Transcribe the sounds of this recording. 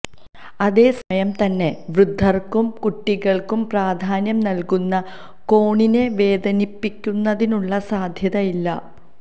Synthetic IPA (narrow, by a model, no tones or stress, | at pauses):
ɐðe̞ːsɐmɐjɐmt̪ɐnːe̞ʋrud̪ʱːɐrkumkuʈːiɣɐɭkumpraːd̪ʱaːnjɐmnɐlkunːɐ | ko̞ːɳine̞ʋe̞ːd̪ɐnipːikʲːunːɐðinuɭːɐsaːd̪ʱjɐðɐilːɐ̰